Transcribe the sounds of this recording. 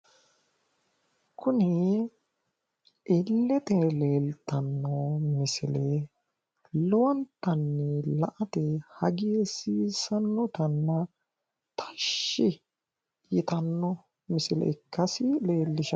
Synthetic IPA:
kʊnɪ | ɪlːɛt̪ɛleːlt̪ɐnːɔmɪsɪlɛ | lɔwɐnt̪ːɐnːɛlɐʔɐt̪ɛhɐɡɪjɛsiːsɐnːɔt̪ɐnːɐ | t̪ʰɐ̥ʃːɪ | jɪt̪ɐnːɔ | mɪsɪlɛ̰ɪkːɐsɪleːlːɪʃɐ

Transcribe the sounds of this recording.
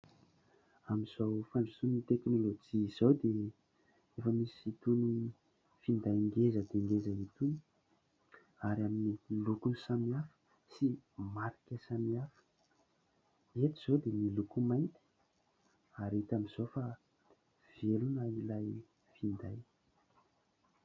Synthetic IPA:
amiz̥awfaɳɖ͡ʐusunnit̪eknolod͡ʒiz̥owd̪e | efəmisit̪uni | find̪ajŋɡezəd̪eŋɡezəit̪uni̥ | aɾaminilukunsamiafə̥ | simaɾikəsamiafə̥ | et̪iz̥owd̪emilukumajnt̪i̥ | aɾet̪amiz̥owfa | v̥elunailaj | find̪aj

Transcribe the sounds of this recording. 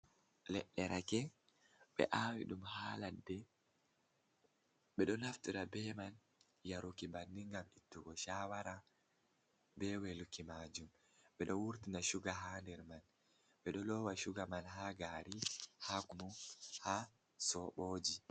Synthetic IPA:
lɛ̰ɗːɛɾakɛ | ɓɛ̰ʔaːwḭɗumhaːladːɛ | ɓɛɗɔnaftiɾabɛman | jaɾukibandiŋɡamitːuɡɔʃaːwaɾa | bɛwelukimaːd͡ʒum | ɓɛɗɔwuɾtinaʃuɡaɦaːndɛɾman | ɓɛɗɔlɔwaʃuɡamanɦaɡaːɾihakumuha | sɔɓoːd͡ʒi

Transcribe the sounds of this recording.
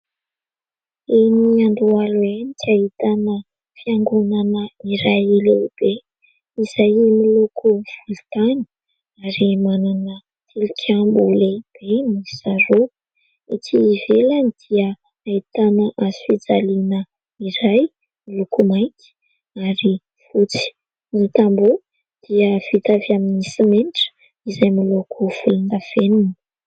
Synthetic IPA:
enianɖ͡ʐualuenikait̪anə | fiaŋɡunanəiɾajilewb̥e | iz̥ajimilukuv̥ult̪ani̥ | aɾimananə | t̪ʰilikʲʰambuleb̥emisaɾo | it̪ʰivelanid̪̥iə | ait̪anəʔazifid͡zalinə | iɾaj | milukumajkʲi̥ | aɾi | fut͡si̥ | nit̪ambu | d̪̥iəv̥it̪avaminisimeniʈ͡ʂə̥ | izajmilukuv̥ulund̪av̥enuni

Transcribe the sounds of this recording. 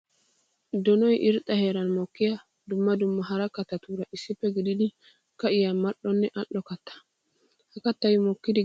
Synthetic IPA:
d̪ɔnɔjʔɪɾt̪ʼːɐhe̞ːɾɐnmɔkːɪjɐ | d̪ʊmːɐd̪ʊmːɐɦɐɾɐkːɐt̪ːɐt̪uːɾɐʔɪsːɪpːɛɡɪd̪ɪd̪ɪ | kɐɪjamɐʔːɔnːɛʔɐʔːɔkɐt̪ːɐ̥ | hɐkɐt̪ːɐjmɔkːɪd̪ɪ

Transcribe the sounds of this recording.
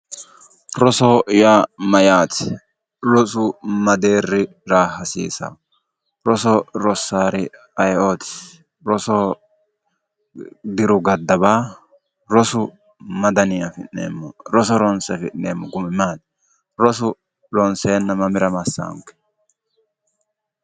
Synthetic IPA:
ɾɔsɔjaːmɐjaːt̪ | ɾɔsʊmɐd̪e̞ːrːɪ | ɾaːhɐsḭːsɐ̰ | ɾɔsɔɾɔsːaːɾɪ | ɐjoːt̪ɪ̥ | ɾɔsɔ | d̪ɪɾʊɡɐd̪ːɐbaː | ɾɔsʊ | mɐd̪ɐnɪjɐfɪʔːḛːmːɔɾɔsɔɾɔnsɛfɪʔneːmːɔɡʊmɪmaːt̪̚ | ɾɔsʊ | ɾɔnseːnːɐmɐmɪɾɐmɐsːa̰ːŋkːɛ̥

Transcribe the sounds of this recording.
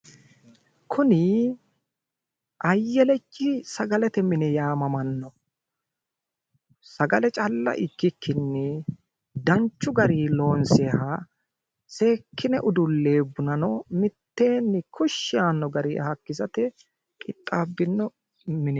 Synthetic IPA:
kʰʊnɪ | ʔɐjːɛlɛt͡ʃʼːɪsɐɡɐlɛt̪ɛmɪnɛjaːmɐmɐnːɔ | sɐɡɐlɛt͡ʃʼɐlːɐ̰ʔɪkːɪkʰːɪnːɛ | d̪ɐnt͡ʃːʊɡɐɾilo̞ːnsɛhɐ | se̞ːkːɪnɛʔʊd̪ʊlːe̞ːbːʊnɐnɔmɪt̪ːe̞ːnːɪkʰʊʃːɪjaːnːɔɡɐɾiɐ̰hɐkːɪzɐt̪ɛ | kʼɪt̪ʼːaːbːɪnːɔ | mɪnɛ

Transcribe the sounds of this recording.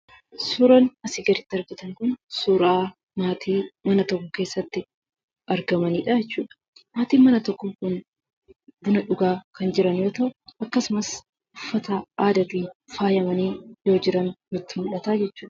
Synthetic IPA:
suːɾɐnɐsɪɡɐɾɪt̪ːɪɐɾɡɪt̪ɐŋkʊnsuːɾaː | maːt̪ʰiːmɐnɐt̪ɔkːɔke̞ːsːɐt̪ːɪ | ʔɐɾɡɐmɐniːᶑɐɛt͡ʃːuːᶑɐ̥ | maːt̪iːmɐnɐt̪ɔkːʊkʊn | b̪ʊnɐᶑʊɡaːkɐnd͡ʒɪɾɐnjo̞ːt̪ɐʔʊʔɐkːɐsʊmɐs | ʊfːɐt̪aːʔaːd̪ɐt̪iːfaːjɐmɐniːjo̞ːd͡ʒɪɾɐnmʊt̪ːɪmʊᶑɐt̪aːd͡ʒɛt͡ʃːuːᶑɐ̥

